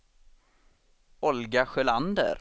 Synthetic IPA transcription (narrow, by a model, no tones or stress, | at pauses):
ɔlɡaɧɛland̪ə̰ɾ